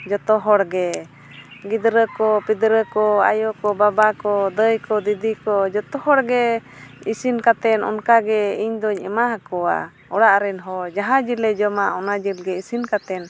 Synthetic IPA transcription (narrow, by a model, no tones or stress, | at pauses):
d͡ʒɔt̪ɔɦɔɽɡɛ | ɡid̪ɾəkɔpid̪ɾəkɔajɔkɔbabakɔd̪əjkɔd̪id̪ikɔd͡ʒɔt̪ɔhɔɽɡɛ | isinkat̪ɛnɔ̰nkaɡɛiɲd̪ɔɲɛmaɦakɔwa̰ | ɔɽaʔɾɛnɦɔd͡ʒaɦãd͡ʒilɛd͡ʒɔmaʔɔnad͡ʒilɡɛisinkat̪ɛn